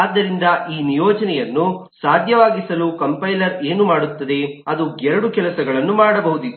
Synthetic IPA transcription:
aːd̪ːɐɾind̪ɐʔiːnijɔːd͡ʒɐnɛjɐnːusaːd̪ʱjɐʋaːɡisɐlukɐmpɐjlɐɾe̞ːnumaːɽut̪ːɐd̪e̞ɐd̪uɡɛɾɐɽukɛlɐsɐɡɐɭɐnːumaːɽɐbɐɦud̪i

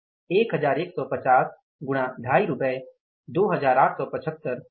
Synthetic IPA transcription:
eːkɦəd͡ʒaːɾeːksɔːpət͡ʃaːs | ɡʊɽ̃ãɖʱaːiɾʊpəe | d̪oːɦəzaːɾaːʈʰsɔːpət͡ʃʰət̪ːəɾ

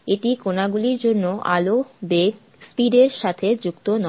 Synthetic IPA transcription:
eʈikonaɡuliɾd͡ʑonːoʔa̰lobeɡ | spiɖeɾʃat̪ʰed͡ʑukt̪onɔ

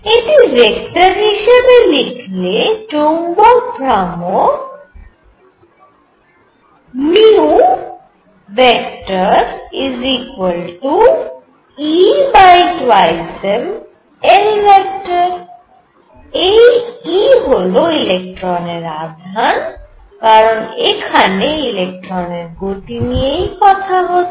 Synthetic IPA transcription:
ɪʈ̪iɾekʈəɾniːʃəmẽlɪkʰliet͡ʃoːŋɡopɾaːmo | miu | ʋekʈəɾɪziːkwəlʈu | ibajtwajsɛm | ɛnilɛk̚tɔɹ | ejiɦoloilɛk̚tɹɔnɛɹad̪ʱan | kaɹɔnḛkʰanɛilɛk̚tɹɔnɛɹɡotiniejkɔt̪ʰaɦo

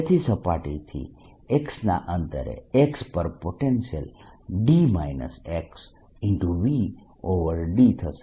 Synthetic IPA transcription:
et̪ʰisəpaʈit̪ʰḭ | eksna̰ʔənt̪ə̰ɾḛekspəɾpoʈensijəl | ɖimainə̰seks | ɪɳʈuʋi | oʋəɾɖit̪ʰəs

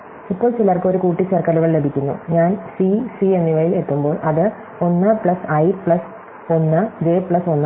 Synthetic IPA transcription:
ipːo̞ːɭt͡ɕilɐːrkɨo̞ɾukuːʈːit͡ɕɐrkɐluɣɐɭle̞bʱikʲːunːṵɲaːnsisienːiʋɐjilet̪ːumbo̞ːɭʔɐðɨ | o̞nːɨpɭɐsɐjpɭɐs | o̞nːɨd͡ʑe̞ːpɭɐso̞nːɨ

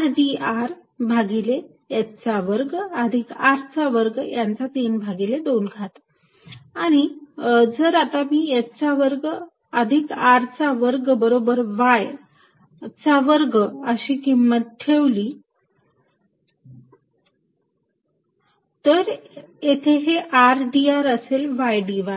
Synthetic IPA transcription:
ɖiaɾbʱaɡile | jet̪t͡saʋəɾɡəd̪ʱikaɾt͡saʋəɾɡjant͡sat̪inbʱaɡileɖolɡʱat̪ | aɽ̃id͡zəɾat̪amiːet̪t͡saʋəɾɡ | əd̪ʱikaɾt͡saʋəɾɡbəɾobəɾʋaj | t͡saʋəɾɡəɕiːkimːət̪̚ʈʰeʋli | t̪əɾjet̪ʰeɦeʔaɾɖiaɾəselʋajɖiʋa

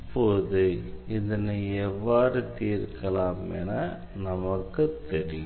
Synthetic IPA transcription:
pːoːðɯɪðɐnɯɛʋːaːɾɯt̪iːɾkːɐlaːmɛ̰naː | nɐmɐkːɯt̪ɛɾɪj

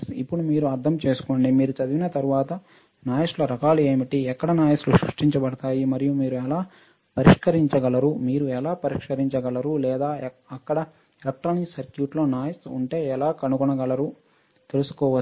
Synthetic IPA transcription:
sipːuɽumiːɾuɐɾd̪ʰʱɐmt͡ʃe̞ːsu̥koːɳɖiːmiːɾut͡ʃɐd̪iʋinɐt̪ɐɾuʋaːt̪ɐ | naːjɐslɐɾɐkaːliɐmiʈiɛkːɐɽɐnaːjɐsluʃɾṵʂʈiɲt͡ʃɐbɐɽɐt̪aːjimɐɾijumiːɾuɛlaː | pɐɾiʂkɐɾiɲt͡ʃɐɡɐlɐɾumiːɾuɛlaːpɐɾikʂkɐɾiɲt͡ʃɐɡɐlɐɾulɛːd̪aː | ɐkːɐɽɐ | elɐk̚ʈɾɐːniksɐɾkjuːʈlo̞ːnaːjɐsuɳʈe̞ːɛlaːkɐnukunɐɡɐlɐɾu | t̪elusu̥kɔːʋɐ

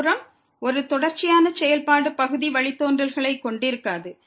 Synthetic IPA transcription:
ɾɐm | ɔɾɯt̪ɔɽɐɾt͡ʃːɪjaːnɐsɛjɐlpaːɽɯpɐɣɯðiʋɐɭɪt̪ːoːndrɐlɣɐɭɐɪkːɔɳɖɪɾɯkːaːðɯ

